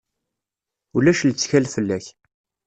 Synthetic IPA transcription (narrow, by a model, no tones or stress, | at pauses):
ulæʃlt͡sːçælfəlːæç